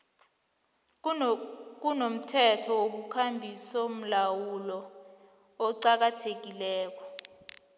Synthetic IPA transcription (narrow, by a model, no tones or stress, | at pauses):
k̬unom̩tʰɛtʰɔwok̬ukʰambʱisom̩lawulɔ | ɔǀak̬atʰek̬ilɛːk̬ɔ